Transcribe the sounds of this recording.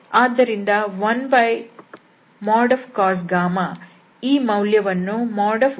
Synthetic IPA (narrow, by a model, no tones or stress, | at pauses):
aːd̪ːɐɾind̪ɐʋɐnbɐj | maːɾɖɐʋkaːs̬ɡaːmɐ | iːmɐwljɐʋɐnːumaːɾɖɐf